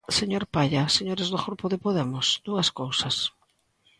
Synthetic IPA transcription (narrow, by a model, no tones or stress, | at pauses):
seɲoɾpaʎɐseɲoɾɪzðʊxɾupʊðɪpoðemʊsd̪̥uɐskowsɐs